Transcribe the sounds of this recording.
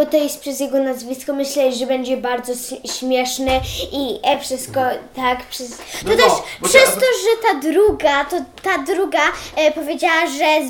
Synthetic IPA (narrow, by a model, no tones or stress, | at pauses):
ɔt̪ɔjɛst̪̚pʂɛzjɛɡɔnazvʲiskɔmɘɕlɛʐɛbɛɲd͡ʑɛbaɾd̪zɔɕɕmʲjɛʂnɛiɛfʂɘst̪kɔt̪akpʂɛst̪ɔt̪ɛʂpʂɛst̪ɔʐɛt̪ad̪ɾuɡat̪ɔt̪ad̪ɾuɡapɔvʲjed͡ʑawaʐɛ